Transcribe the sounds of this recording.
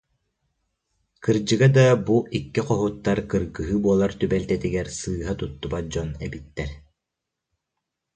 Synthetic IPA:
kɯɾd͡ʑɯɡad̪abuʔikːiqɔɦut̪ːaɾkɯɾɡɯɦɯbuɔlˠaɾt̪ybɛlt̪ɛt̪iɡɛɾsɯːɦat̪ut̪ːubad͡ʑɔnɛbit̪ːɛɾ

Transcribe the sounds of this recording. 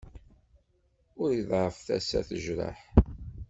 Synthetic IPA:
ʊɾjəðʁəfθæsæ̰θəʒɾə̰ħ

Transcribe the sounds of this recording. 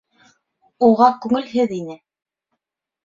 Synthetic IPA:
uʁɑkʉŋɘlɦɘðinɘ

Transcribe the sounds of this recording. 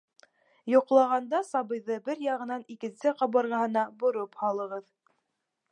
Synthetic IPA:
jŏqlˠɑʁɑnd̪ɑsɑβɤ̆jðɤbɘɾjɑʁɤ̆nɑnikɘ̆nsɘqɑβɤ̆ɾʁɑɦɤ̆nɑbŏɾophɑlˠɤ̆ʁɤð

